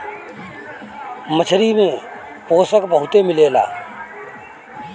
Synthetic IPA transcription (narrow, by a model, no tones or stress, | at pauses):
mət͡ʃʰɾimẽ | poːsəkbəɦʊt̪emɪleːla̰ː